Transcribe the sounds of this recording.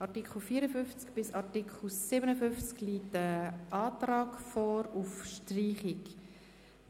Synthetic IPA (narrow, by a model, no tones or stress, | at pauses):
ʔɑtikχl̩fiːəɾəfʏnft͡skb̥ɪsɑtikχl̩sɪbənəfʏnft͡skliːtəʔɑːtrɑːkfɔːɾufʃtriːχɪk